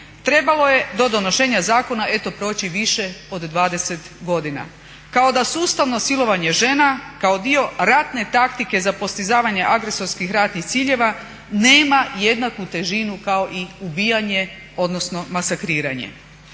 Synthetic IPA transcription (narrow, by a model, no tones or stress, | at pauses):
t̪ɾe̞balo̞je̞d̪o̞d̪o̞noʃe̞ːɲazaːko̞naʔe̞t̪o̞pɾo̞ːt͡ɕiʋiʃe̞o̞d̪ːʋaːd̪e̞se̞t̪ɡo̞d̪ina̰ | kao̞d̪asuːst̪aʋno̞silo̞ʋaɲe̞ʒe̞nakaod̪io̞ɾat̪ne̞t̪akt̪ike̞zapo̞st̪izaːʋaɲe̞ʔaɡɾe̞so̞ɾskixɾat̪nixt̪siːʎe̞ʋa | ne̞ːmaje̞d̪nakut̪e̞ʒinukao̞ʔiubiːjaɲe̞ | o̞d̪no̞sno̞masakɾiːɾa̰ɲḛ